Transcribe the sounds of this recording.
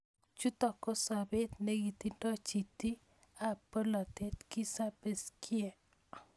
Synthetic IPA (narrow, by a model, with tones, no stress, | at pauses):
t͡ʃu˦t̪ɔ˨kːɔ˦sa˨be˦t̪nɛ˦ɡi˨t̪i˦ntɔ˦t͡ʃi˨t̪i˦ | a˨po˦la˨t̪e˦t̪ki˦sa˦pe˦skʰi˦ɛ˨